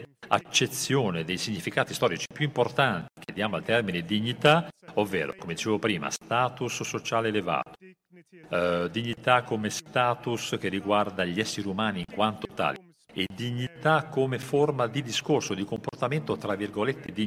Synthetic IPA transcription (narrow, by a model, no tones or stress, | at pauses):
a̰t͡ʃːet̪sːjoːned̪ejsiɲːifikaːt̪i̥st̪ɔːɾit͡ʃi̥pjuimport̪ant̪i̥k̟ed̪ːjaːmoalt̪ɛrmined̪iɲːit̪aovːɛːɾo̰komed̪it͡ʃeːvopɾiːma̰st̪aːt̪usːot͡ʃaːleːleva̰ːt̪o̥ | d̪iɲːit̪akːomest̪aːt̪usk̟erːiɡward̪aʎɛsːeɾiumaːniːŋkwant̪ot̪a̰ːli | ed̪iɲːit̪akʰːomeformad̪id̪iskorsod̪ikomport̪ament̪ot̪ɾavːirɡolet̪ːed̪i